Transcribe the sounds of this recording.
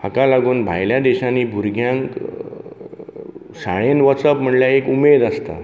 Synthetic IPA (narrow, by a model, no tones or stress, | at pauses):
akalaɡuːnbʱa̰jljad̪eɕãniːbʱuɾɡʱjãŋk | saɭ̃enʋəsəpm̤əɳljaekumed̪ast̪a̰